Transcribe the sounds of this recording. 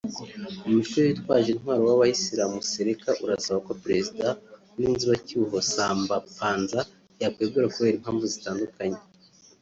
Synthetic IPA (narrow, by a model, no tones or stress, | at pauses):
umuʃujjitwaːʒinhwaːɾowaβahisiɾamuseɾekaʔuɾasaβako̞pɾe̞zida | niːnziβacuɦosaːmbapaːnza | jakweːbɡuɾakuβe̞ːɾim̥haːɱvuzitaːndukaɲe